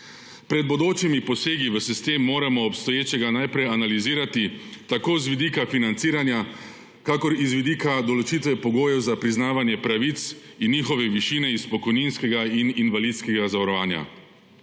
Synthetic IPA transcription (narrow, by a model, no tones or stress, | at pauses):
pɾɛd̪̚bod̪oːt͡ʃimipɔseːɡiʋəsist̪eːmːoːɾamɔɔpst̪ɔjeːt͡ʃɛɡanajpɾɛjanaliziːɾat̪it̪akoːzʋid̪iːkafinant̪siːɾanja | kaːkɔɾizʋid̪iːkad̪ɔlɔt͡ʃiːt̪ʋɛpɔɡoːjɛwzapɾiznaːʋanjɛpɾaʋit̪s | inːiːxɔʋɛʋiʃiːnɛispɔkɔjniːnskɛɡaininʋaliːd̪skɛɡazaʋaɾɔʋaːnja̰